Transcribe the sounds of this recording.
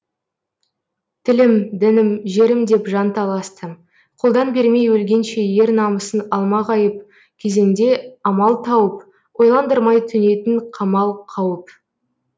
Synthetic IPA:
t̪ʰɪlɪmd̪ɪnɪmʒe̞ɾɪmd̪e̞pʒɑnt̪ʰɑlˠɑst̪ə | qʰo̞lˠd̪ɑnbeɾme̞jwɵlɡʲe̞nʃe̞je̞ɾnɑməsənɑlˠmɑʁɑjəp̚ | kʲʰe̞ze̞ŋd̪e̞ɑmɑlˠt̪ʰɑwəp̚ | qʰo̞jlˠɑnd̪əɾmɑjt̪ʰʏne̞t̪ɪnqʰɑmɑlˠqʰɑwəp

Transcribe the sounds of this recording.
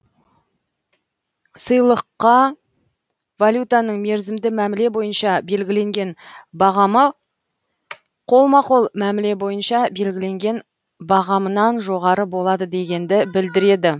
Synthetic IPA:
səjlˠəqːɑ | valʲjut̪anəɴme̞ɾzɪmd̪ɪmæmɪle̞bo̞jənʃɑbe̞lɡʲɪle̞ŋɡʲe̞nbɑʁɑmə | qʰo̞lˠmɑqolˠmæmɪle̞bo̞jənʃɑbe̞lɡʲɪle̞ŋɡʲe̞n | bɑʁɑmənɑnʒo̞ʁɑɾəbo̞lˠɑd̪əd̪e̞ɡʲe̞nd̪ɪbɪld̪ɪɾe̞d̪ɪ

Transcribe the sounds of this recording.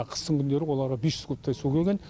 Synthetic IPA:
qʰə̥st̪əɴŋkʲʰʏnd̪e̞ɾɪwo̞lˠɑɾʁɑbesʒ̥ʏzk̪ʰp̚t̪ʰɑjsukʲʰeɡʲe̞n

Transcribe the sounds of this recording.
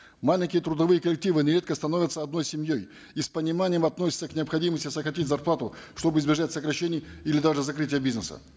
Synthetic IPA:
malʲɪŋʲkʲɪjət̪ɾʊd̪ɐvɨjəkəlʲɪk̚tʲivɨnʲɪɾʲe̞t̪kəst̪ɐnovʲət̪səɐd̪no̞jsʲɪmʲjo̞j | ispənʲɪmanʲɪjəmɐt̪nosʲɪ̥t̪səknʲɪɐpxɐdʲiməsʲtʲɪsəkɾɐtʲit̚ʲzɐrplˠat̪ʊʂt̪o̞bɨɪzbʲɪʐatʲsəkɾɐɕːenʲɪjilʲɪd̪aʐɨzɐkɾɨtʲɪjəbʲiznəsə̰

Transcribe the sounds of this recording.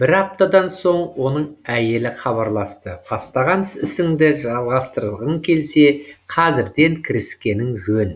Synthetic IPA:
b̥ɪɾɑp̚t̪ɑd̪ɑnso̞ɴwo̞nəɴæje̞lɪχɑβɑɾlˠɑst̪əbʰɑst̪ɑʁɑnsɪsɪŋd̪ɪʒɑlˠʁɑst̪əɾəlˠʁəŋkʲʰe̞lse̞qʰɑzɪɾd̪e̞ŋkʲʰɪɾɪskʲe̞nɪŋʒɵn

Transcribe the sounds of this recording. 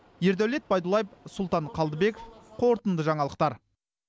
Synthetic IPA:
jeɾd̪æwle̞t̪̚bɑjd̪ulˠɑjəpsʊlˠt̪ɑɴqʰɑlˠd̪əbe̞kofqʰo̞ɾt̪ənd̪əʒɑɴɑlˠəqt̪ɑɾ

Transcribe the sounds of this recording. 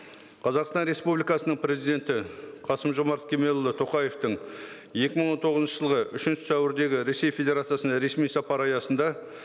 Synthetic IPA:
qʰɑzɑqst̪ɑnɾe̞spublijkɑsənəɴpʰɾʲe̞zijd̪e̞nt̪ɪqʰɑsəmʒo̞mɑɾt̪̚kʲʰe̞me̞lˠlːˠət̪ʰo̞qɑje̞ft̪əɴ | je̞kʲɪməɴwo̞nt̪ʰo̞ʁəznʃəʒəlˠʁəʔʏʃɪnʃɪ̥sæwɪɾd̪e̞ɡʲɪɾe̞sːe̞jfʲe̞d̪ʲe̞ɾat̪sijasənd̪ɑɾe̞smijsɑpɑɾɑjɑsənd̪ɑ

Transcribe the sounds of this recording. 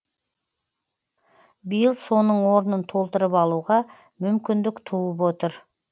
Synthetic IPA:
bijəlˠso̞nəɴwo̞ɾnənt̪ʰo̞lˠt̪əɾəpɑlˠuʁɑ | mʏmkʲɪnd̪ɪkt̪ʰuəp̬wo̞t̪əɾ

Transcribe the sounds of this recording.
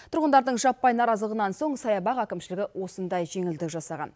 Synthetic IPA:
t̪ʰʊɾʁənd̪ɑɾd̪əɴʒɑpːɑjnɑɾɑzəlˠəʁənɑnso̞ɴsɑjɑbɑqækʲɪmʃɪlɪɡʲɪwo̞sənd̪ɑjʒe̞ŋɪld̪ɪkʒɑsɑʁɑ̰n

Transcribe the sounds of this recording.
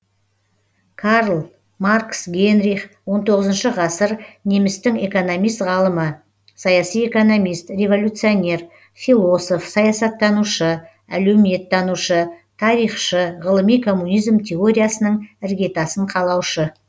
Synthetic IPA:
kʰɑɾlˠ | marksɡʲe̞nɾiχwont̪ʰo̞ʁəzənʃəʁɑsəɾne̞mɪst̪ɪŋe̞ko̞no̞mijst̪ʁɑlˠəmə | sɑjɑsije̞ko̞no̞mijst̪rʲe̞vo̞lʲut̪sɨjo̞ne̞r | filˠo̞so̞fsɑjɑsɑt̪ːɑnuʃə | æ̰leme̞t̪ːɑnuʃət̪ʰɑɾijχʃəʁəlˠəmijkʰo̞mːunijzmt̪ʲʰe̞o̞ɾʲijasənəɴɪɾɡʲe̞t̪ɑsəɴqʰɑlˠɑwʃə

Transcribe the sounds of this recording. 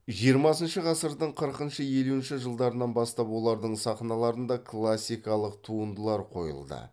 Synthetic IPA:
ʒijəɾmɑsənʃəʁɑsəɾd̪əɴqʰəɾəqənʃəje̞luɪnʃɪʒəlˠd̪ɑɾənɑnbɑst̪ɑpwo̞lˠɑɾd̪əɴsɑχnɑlˠɑɾənd̪ɑkʰlˠasʲːijkɑlˠəqt̪ʰuənd̪əlˠɑɾqʰo̞̰jə̰lˠd̪ə̰

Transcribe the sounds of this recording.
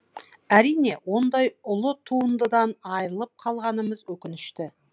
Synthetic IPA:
æɾijne̞wo̞nd̪ɑjʊlˠʊt̪ʰuənd̪əd̪ɑnɑjɾəlˠəp̚qʰɑlˠʁɑnəməzwɵkʲɪnɪʃt̪ɪ

